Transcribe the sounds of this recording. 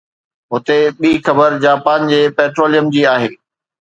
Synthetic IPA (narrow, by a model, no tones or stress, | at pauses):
ɦʊt̪eɓiːxɐbəɾd͡ʑaːpaːnd͡ʑeːpɛːʈɾoːlijəmd͡ʑiːaːɦeː